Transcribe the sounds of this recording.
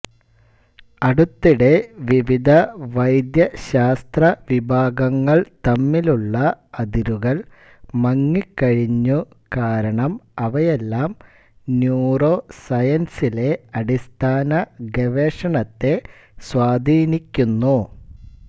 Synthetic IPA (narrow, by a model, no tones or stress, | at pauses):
ɐɽut̪ːiɽe̞ʋiʋid̪ʱɐʋɐjd̪jɐɕaːst̪rɐʋibʱaːɡɐŋːɐɭt̪ɐmːiluɭːɐɐd̪iɾuɣɐɭ | mɐŋːikːɐɻiɲːu | kaːɾɐɳɐmɐʋɐjelːaːm | njuːro̞ːsɐjɐnsile̞ɐɽist̪ʰaːnɐɡeʋeːʂɐɳɐt̪ːe̞ | swaːd̪ʱiːnikʲːunːu